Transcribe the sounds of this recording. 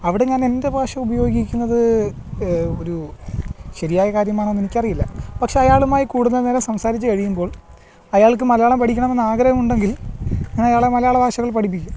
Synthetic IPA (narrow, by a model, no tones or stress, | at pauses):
ɐʋiɽe̞ɲaːne̞nde̞bʱaːʂɐubɐjo̞ːɡikʲːunːɐðɨ | o̞ɾu | ɕɐɾijaːjɐkaːɾjɐmaːɳenːenikʲːɐrijilːɐpɐkʂe̞ɐjaːɭumaːjikuːɽunːɐnelɐmsɐmsaːɾit͡ɕːɨkɐɻijumbo̞ːɭ | ɐjaːɭk̬ːɨmɐlɐjaːɭɐmpɐʈʰikʲːɐɳɐmenːaːɡɾɐhɐmuɳɖe̞ŋɡilɲːnɐjaːɭemɐlɐjaːɭɐbʱaːʂɐɣɐɭpɐʈʰip̬ːikʲːu